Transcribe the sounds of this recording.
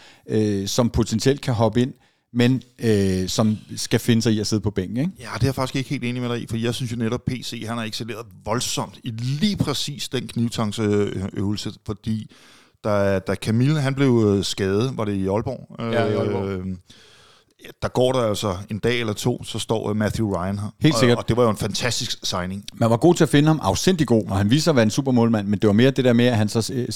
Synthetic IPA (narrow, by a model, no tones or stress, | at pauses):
øsɒ̽mpʰo̝t͡sʰensiel̰d̥̚kʰæɦɒ̽b̥əe̝n̰ | menøsɒ̽msɡ̥æfe̝nəsɑ̈ɪiɒse̝ðˠpʰɒ̽b̥eŋ̰ɡ̚n̩eɡ̥jæd̥e̝æɐfɑ̈ɡ̥isɡ̥e̝ɡ̥he̝ːlde̝ːnimeɾɑ̈ɪifɒdḭːjaɪsynsjo̝neɾɒ̽b̥̚pʰe̝̰ːse̝̰ːɦænæɐeɡ̥sile̝̰ːɐð̩ˠʋɒ̽lsɒ̽m̰d̥iliːpʰʁɛsḭːsd̥enkʰniʊt͡sʰɑ̈ŋsøʊl̩səfɒ̽d̥ḭː | d̥ɑd̥ækʰæmilɦænb̥le̝ʊsɡ̥ɛːð̩ˠʋɑ̈ɾe̝iɒ̽lb̥ɒ̰ːø | d̥ɑ̈ɡ̥ɒ̰ːɾɑæl̰sɒe̝nd̥ɛ̰ːelɐt͡sʰo̝̰ːsɒ̽sd̥ɒ̰ːmæθjuʁɑ̈ɪænɦæhe̝̰lse̝ɡ̥ɐɒ̽d̥e̝ʋɑ̈jo̝e̝nfænt͡sʰæsd̥isɡ̥sɑ̈ɪne̝ŋmænʋɑ̈ɡ̥o̝̰ːt͡sʰe̝æfe̝nəhɑ̈mʔɑ̈ʊsd̥en̰d̥liɡ̥o̝̰ːɒɦænʋḭːsɐʋæɐensṵːb̥ɐmɔ̽ːlmæn̰mend̥e̝ʋɑ̈me̝ːɐd̥e̝d̥eɐmeæɦænsɒ̽